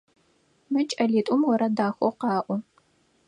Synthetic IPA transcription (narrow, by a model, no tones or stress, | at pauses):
mɨt͡ʃʼɐɮiːtʷʼʊmwɔɾɐdaːxʷɔ̰qɑːʔʷʊ